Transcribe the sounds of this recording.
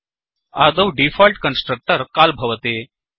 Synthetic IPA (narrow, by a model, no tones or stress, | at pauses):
aːd̪ɐwɖifɔlʈkənsʈɾɐk̚ʈəɾkaːlbʱɐʋɐt̪eː